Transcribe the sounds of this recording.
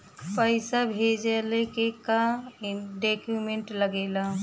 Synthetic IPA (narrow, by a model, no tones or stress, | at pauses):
pəɪsabʱed͡ʒelekeka | ɖekumẽɳʈləɡeːla